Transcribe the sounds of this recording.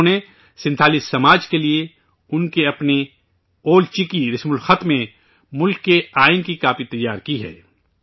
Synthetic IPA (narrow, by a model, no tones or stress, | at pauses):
ne | sɪ̃nt̪ʰaːliːsːɐmaːd͡ʒkelie | ʊnkeɐpne | oːlt͡ʃɪkiɾɪsmʊlxɐt̪mẽ | mʊlkːeaːɪnkikaːpit̪ɐjːaːɾkiɦɛ̰ː